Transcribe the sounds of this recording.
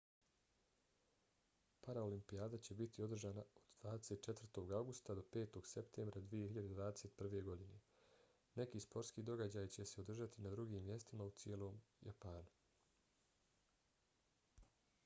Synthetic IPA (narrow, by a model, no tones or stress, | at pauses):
paɾaolimpijaːd̪at͡ɕe̞bit̪io̞d̪r̩ʒaːnaod̪d̪ʋaːd̪e̞se̞t̪̚t͡ʃe̞t̪vr̩t̪o̞ːɡawɡust̪ad̪o̞pe̞ːt̪o̞ɡ̥se̞pt̪ʰeːmbɾad̪ʋije̞hiʎad̪eʋaːd̪e̞set̪pr̩ʋe̞ɡo̞d̪ine̞ | ne̞kiːspo̞ɾtskiːd̪o̞ɡad͡ʑaːjt͡ɕe̞se̞od̪rʒat̪inad̪ɾuɡiːmːje̞st̪imaut̪sje̞ːlo̞ːmja̰paːnu